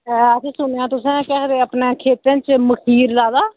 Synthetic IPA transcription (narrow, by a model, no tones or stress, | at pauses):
ət͡ʃaːsʊnejãːt̪ʊsɛ̃ːkɛːkɾeːəpnẽːkʰeːt̪ɛ̃ːt͡ʃməkʰiːɾlaːd̪aː